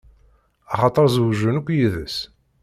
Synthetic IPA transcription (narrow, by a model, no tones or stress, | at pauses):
ɑχɑt̪ˤəɾˤzwʒunukʷːjiðə̰s